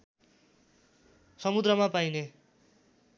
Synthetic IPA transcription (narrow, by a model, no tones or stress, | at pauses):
sʌmud̪rʌmapajne